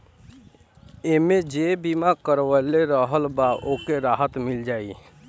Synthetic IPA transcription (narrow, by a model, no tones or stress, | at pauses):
emed͡ʒebimakəɾwəleɾəɦəlbaʔokeɾaːɦət̪mɪld͡ʒaːi